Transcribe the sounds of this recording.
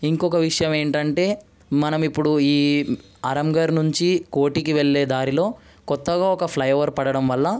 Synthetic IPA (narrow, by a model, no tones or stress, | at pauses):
iŋkɔkɐʋiʂɐjɐme̞ːɳʈɐɳʈe̞ː | mɐnɐmipːuɽuiː | ɐɾɐmɡɐɾnuɲt͡ʃikoːʈikiʋeɭːe̞ːd̪aːɾilo̞ː | kɔt̪ːɐɡaːɔkɐpʰlɐjɐʋɐɾpɐɽɐɽɐmʋɐlːɐ